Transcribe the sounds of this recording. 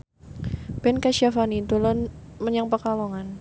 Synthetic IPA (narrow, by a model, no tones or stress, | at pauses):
b̥ɛnkaʃiafanit̪ulɔnməɲaŋpəkalɔŋan